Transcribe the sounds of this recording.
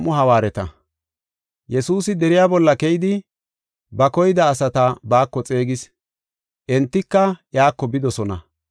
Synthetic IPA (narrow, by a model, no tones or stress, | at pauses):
mʊɦɐwaːɾɛt̪ɐ | jɛsuːsɪd̪ɛɾɪjaːbɔlːɐkɛjɪd̪ɪ | bɐkɔjɪd̪ɐːsɐt̪ɐbaːkːɔt͡sʼe̞ːɡɪs | ʔɛnt̪ːɪkːɐʔjaːkːɔbɪd̪ɔsɔnɐ